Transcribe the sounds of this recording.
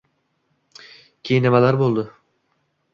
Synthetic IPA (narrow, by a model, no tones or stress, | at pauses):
cʲʰijinamalˠaɾbolˠd̪ʊ